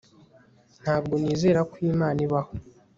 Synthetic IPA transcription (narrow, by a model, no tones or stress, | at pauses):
n̥haːb̚ɡo̞niːzeːɾakwiːmaːniβaho